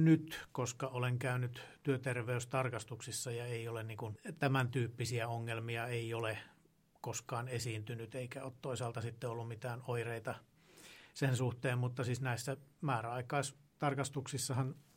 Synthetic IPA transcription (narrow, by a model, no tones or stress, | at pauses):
nyt̪koskɑoleŋkæynyt̪t̪yøt̪erʋeyst̪ɑrkɑst̪uksisːɑjɑeiolenniːŋkunt̪æmænt̪yːpːisiæoŋːelmiɑeiole | koskɑːnesiːnt̪ynyt̪eikæo̰ːt̪t̪oisɑːlt̪ɑsit̪ːeolːummit̪æːnoireit̪ɑ | sensuht̪eːmmut̪ːɑsiːsnæisːæmæːræɑikɑis | t̪ɑrkɑst̪uksisːɑhɑn